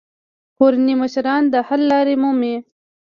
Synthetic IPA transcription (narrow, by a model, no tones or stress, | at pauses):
xoɾaniməʃɾɑnd̪əhalːɑɾemume